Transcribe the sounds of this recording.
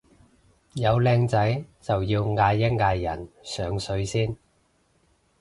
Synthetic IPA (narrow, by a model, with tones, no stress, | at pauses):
jɐ˨˧wlɛː˧ŋt͡sɐ˨˥jt͡sɐ˨wjiː˧wŋaː˧jːɐ˥ŋ̚ŋaː˧jjɐ̰˨˩nsœː˨˥ŋsɵ˨˧˥ɥsiː˥n